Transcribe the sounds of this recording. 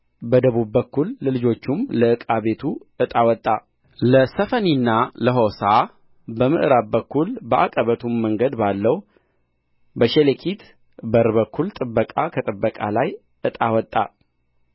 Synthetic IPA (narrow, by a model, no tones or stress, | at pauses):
bəd̪əβubːəkːulːəlɨd͡ʒo̞t͡ʃːumləɨkʼaβe̞t̪ʰu | ɨt̪ʼawɔt̪ʼːa | ləsəfəninːaləɦosa | bəmɨʔɨɾabbəkːulbəʔa̰kʼəβət̪ʰumːəŋɡəd̪balːəw | bəʃelekʰit̪ | bəɾβəkːult̪ʼɨbːəkʼakʰət̪ʼɨbːəkʼalaj | ʔɨt̪ʼawɔt̪ʼːa̰